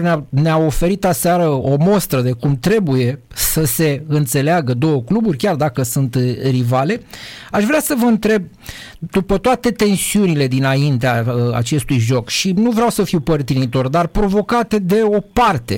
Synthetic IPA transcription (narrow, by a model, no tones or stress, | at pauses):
neaneao̞fe̞ɾit̪aseaɾəo̞mo̞st̪ɾəd̪e̞kumt̪ɾe̞buje̞ | səse̞ɨnt̪se̞leaɡəd̪o̞wəkluburʲkʲard̪akəsunt̪rivale̞aʃvɾeasəvəɨnt̪ɾe̞b̚ | d̪upət̪oat̪e̞t̪e̞nsiunile̞d̪inaint̪eaa̰t͡ʃe̞st̪ujʒo̞kʃinuvɾeawsəfiwpərt̪init̪o̞rd̪arpɾo̞vo̞kat̪e̞d̪e̞o̞part̪e̞̰